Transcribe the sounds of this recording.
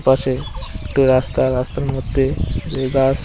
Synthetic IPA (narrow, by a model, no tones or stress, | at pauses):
paʃeekʈuɾast̪aɾast̪aɾmod̪ʱːebeɡas